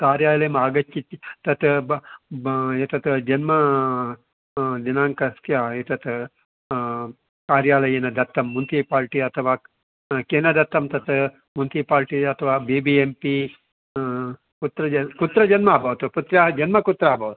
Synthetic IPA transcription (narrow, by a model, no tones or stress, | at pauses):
kaːɾjaːlɐjɐmaːɡɐt͡ʃt͡ʃit̪ːt̪ɐt̪ | jet̪ɐt̪d͡ʒɐnmɐ | d̪inaːŋkɐsk̪ʰjaːet̪ɐt̪ʰ | kaːɾjaːlɐjɐnɐd̪ɐt̪ːɐmːunt̪ʰipaːɾʈiɐt̪ʰɐʋaː | keːnɐd̪ɐt̪ːɐmt̪ɐt̪ | munt̪iːpaːɾʈiɐt̪ʰɐʋaːbiːbiempi | kut̪ɾɐɐkut̪ɾɐd͡ʒɐnmɐaːbɐʋɐt̪uput̪ɾaːɦɐd͡ʒɐnmɐkut̪ɾaːbʱɐʋɐt̪u